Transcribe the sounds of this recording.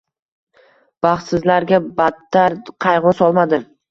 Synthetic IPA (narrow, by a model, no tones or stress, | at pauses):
b̥ɑχt̪sɪzlaɾɡʲabat̪ːaɾqʰɑjʁʊsɒlˠmad̪ɪ